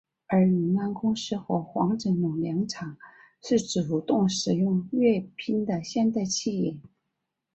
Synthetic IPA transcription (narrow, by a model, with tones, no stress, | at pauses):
ə˞˧˥ly˨˩na˥˩nkʊ˥ŋʂɻ̩˥˩xwɔ˧˥xwɑ˧˥ŋʈ͡ʂɤ˧˩ŋnʊ˨˩ŋljɑ˧˥ŋʈ͡ʂʰɑ˨˩˦ŋ | ʂɻ̩˥˩ʈ͡ʂɻ̩˨˩u˧˩t̪ʊ˥˩ŋʂɻ̩˨˩jʊ˥˧ŋɥɛ˥˩pʰi˥nd̪ə˨ɕjɛ˥˧nt̪a˥˧ɪt͡ɕʰi˥˩ɛ˨˩˦n